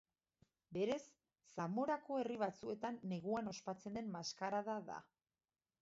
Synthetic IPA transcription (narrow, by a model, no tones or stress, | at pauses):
be̞ɾe̞sː | amo̞ɾako̞e̞riβ̞at͡sue̞t̪anːe̞ɣuano̞spat͡se̞nd̪e̞mmaskaɾaðaða̰